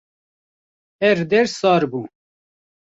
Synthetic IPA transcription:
ɛɾd̪ɛɾsɑːɾbuː

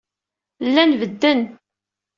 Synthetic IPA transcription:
lːænvəd̪ːən

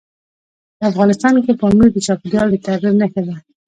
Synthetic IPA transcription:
afɣɑnɪst̪ɑnkepəmujd̪ət͡ʃɑpɪd̪jɑld̪ət̪aɣiɾnakad̪a

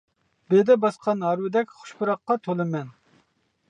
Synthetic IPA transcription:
bed̪ɛbɑsqʰɑnɦɑɾwɪd̪ɛkʲχʊ̥ʃpuɾɑqːɑt̪ʰolˠɨmɛn

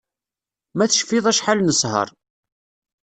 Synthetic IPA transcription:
mæθəʃfɪðˤæʃħalnəsˤhə̰ɾˤ

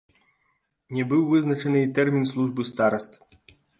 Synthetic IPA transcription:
nʲɛbɨwvɨznɐt͡ʃɛnɨit̪ɛrmʲinslˠuʐbɨst̪aɾɐst̪

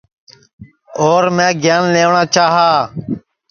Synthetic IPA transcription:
oːɾmɛ̃ːɡjaːnleːʋɳaːt͡ʃaːɦaː

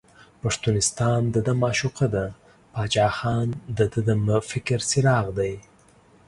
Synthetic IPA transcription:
paʂt̪unɪst̪ɑnd̪əd̪amɑʃuqad̪a | pɑt͡ʃɑːxɑnd̪əd̪əd̪əmfɪkɾsɪɾɑɣd̪aj

